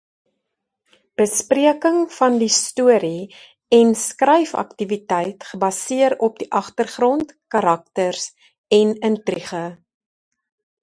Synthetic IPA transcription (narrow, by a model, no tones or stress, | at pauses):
b̥əspriəkəŋfɐndistuəɾi | ɛnskrɛjfɐ̰ktivitɛjtχəbɐsiəɾɔp̚diʔɐχtərχrɔntkɐɾɐk̚tərs | ɛnəntriχə